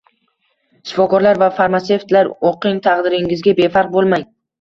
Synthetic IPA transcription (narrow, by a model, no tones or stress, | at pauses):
ʃɪ̥fɒkɒɾlaɾvafaɾmase̞ft̪laɾoqɪŋt̪ʰɑqd̪ɪɾɪŋɪzɡʲabe̞fɑɾq̚bolˠmaŋ